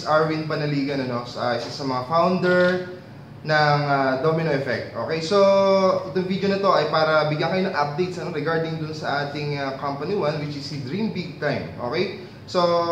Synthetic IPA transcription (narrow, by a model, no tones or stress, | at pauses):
sʔaɹwinpɐnɐliːɡɐnɐno̞sɐʔɪsɐsɐmɐŋafawnd̪ɛɹ | nɐŋad̪omɪnoʔɛfɛk̚t̪̚ʔo̞̰ːkɛjso̞ɛt̪ʊŋvid̪jonɐt̪o̞ʔɐjpaːɾɐbɪɡjɐnkɐjonɐŋʔɐp̚d̪ejt̪̚sʔɐno̞ɾɛɡaɹd̪ɪŋd̪ʊnsɐʔaːt̪ɪŋɐkɐmpɐniwɐnwɪt͡ʃɪsid̪ɹĩmbiɡ̚t̪ajmʔo̰ːkej | so̞